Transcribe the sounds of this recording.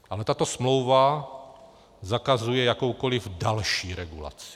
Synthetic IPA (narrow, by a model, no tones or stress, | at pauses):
ʔalɛt̪at̪osmlowva | zakazujɛjakowkolivdalʃiːɾɛɡula̰t͡si̥